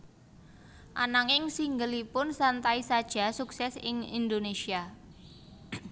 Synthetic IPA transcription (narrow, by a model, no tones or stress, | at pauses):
ʔa̰naŋɪŋsiŋɡəlipʊnsant̪aisad̥ʒ̥a̤suksɛsɪ̰ŋḭnd̪onesia